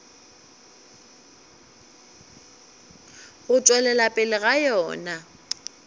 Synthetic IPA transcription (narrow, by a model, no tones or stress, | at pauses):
ɣʊt͡sʼwɛlɛlapʼɪlɪɣajɔːna